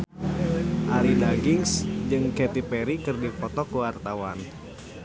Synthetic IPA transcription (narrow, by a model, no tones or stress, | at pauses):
ʔaɾidaɡiŋsd͡ʒɨŋkɛt̪ipɛɾikɨrdipɔt̪ɔkuwart̪awa̰n